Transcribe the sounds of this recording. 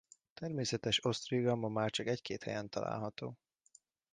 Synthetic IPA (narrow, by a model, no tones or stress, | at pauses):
t̪ɛrmeːsɛt̪ɛʃo̞st̪riɡɒmɒmaːrt͡ʃɒkɛckeːt̪hɛ̰jɛnt̪ɒla̰ːlɦɒt̪o̰ː